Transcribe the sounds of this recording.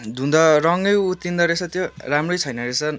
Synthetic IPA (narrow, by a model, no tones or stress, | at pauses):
d̪ʱund̪ʌɾʌŋɡʌjut̪ːind̪ʌɾesʰʌt̪joramrojt͡sʰʌjnʌɾesʰʌn